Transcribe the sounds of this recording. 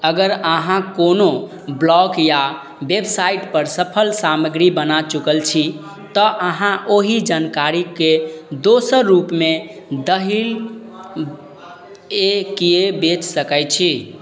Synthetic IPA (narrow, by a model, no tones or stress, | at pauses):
əɡəɾəɦãkono | blɔɡja | bebsaiʈpəɾsəpʰəlsaməɡɾibənat͡ʃukəlt͡ʃʰi | t̪ɔʔəɦãʔoɦid͡ʒankaɾiked̪osəɾːupme | d̪əɦil | ekijebet͡ʃsəkət͡ʃʰi